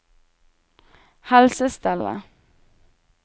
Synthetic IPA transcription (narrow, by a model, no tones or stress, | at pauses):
halsəst̪ɛlə̰